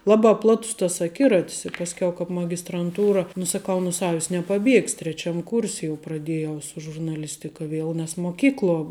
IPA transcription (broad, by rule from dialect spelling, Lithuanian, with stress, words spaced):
ˈlˠɑːbɑː ˈplˠɑːtʊs tɐs ɐˈkʲɪrɐtʲɪs ɪ pɐsʲˈkʲɛʊ kɑːp mɐɡʲɪstrɐnˈtuːrɐ nʊ sɐˈkɐʊ nʊ ˈsɑːʋʲɪs nʲɛpɐˈbʲiɛksʲ tʲrʲɛˈt͡ʃʲɛm ˈkuːrʲsʲ jɛʊ prɐˈdʲeːjɛʊ sʊ ʒʊrnɐˈlʲɪsʲtʲɪkɐ ˈʋʲiɛlˠ nʲɛs moːˈkʲiːklˠuɔ